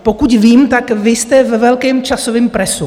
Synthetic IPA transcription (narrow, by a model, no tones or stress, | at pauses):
po̞kucviːmt̪akvɪst̪ɛvɛvɛlkɛːmt͡ʃasovɪmpɾɛsu